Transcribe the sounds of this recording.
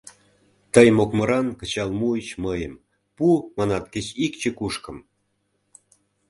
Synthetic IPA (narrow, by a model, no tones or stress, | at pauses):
t̪əjmokmə̆ɾɑnkə̆t͡ɕɑlmuət͡ɕməjəm | pumɑnɑt̪̚ket͡ɕikt͡ɕə̆kuʃkə̆m